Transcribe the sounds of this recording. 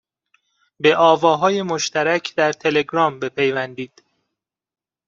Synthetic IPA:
be̞ʔɒːvɒːɦɒːje̞moʃt̪ʰæɾæcʰd̪̥æɾt̪ʰe̞le̞ɡɾɒːmbe̞pʰe̞jvænd̪iːd̪̥

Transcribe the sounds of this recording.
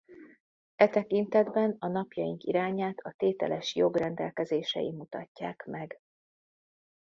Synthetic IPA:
ɛt̪ɛkint̪ɛd̪bɛnɒnɒpjɒjiŋkiɾaːɲaːt̪ʰɒt̪eːt̪ɛ̰lɛʃjo̞ɡrɛnd̪ɛ̰lkɛzeːʃɛ̰jḭmut̪ɒcːa̰ːkmɛɡ

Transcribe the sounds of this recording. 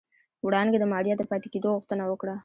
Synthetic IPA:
wɽɑnɡ̪ed̪əmɑɽjɑd̪əpɑt̪e̥ked̪oɣuxt̪ənawəkɽa

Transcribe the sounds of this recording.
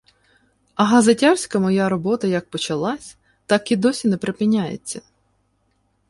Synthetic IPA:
ɐɦɐzɐtʲarsʲkɐmɔjaɾɔbɔt̪ɐjɐk̚pɔt͡ʃɐlˠɑsʲ | t̪ɑkid̪ɔsʲinɛpɾepɪnʲːajḛt͡sʲːɐ

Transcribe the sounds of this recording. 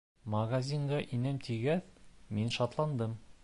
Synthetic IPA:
mɐɡazʲiŋɡɑʔinæmt̪ʰiɡæðminʃɑt̪lˠɑnd̪ɤm

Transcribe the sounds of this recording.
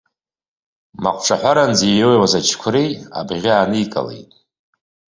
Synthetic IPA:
ma̰qʷʰʼʈ͡ʂʰaħʷaɾand͡zijowjwazat͡ʃʰkʷʰʊɾeja̰bʁʲaaːnɨikʼa̰lḛjtʼ

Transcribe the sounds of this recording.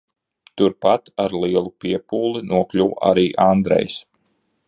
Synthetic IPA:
t̪uɾpat̪aɾlˠiɛlˠupiɛpuːlˠinuɔklʲuwa̰ɾiːʔand̪ɾɛ̰js

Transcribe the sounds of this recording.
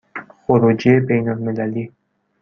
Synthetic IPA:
oɾud͡ʒebejnalmɪlæli

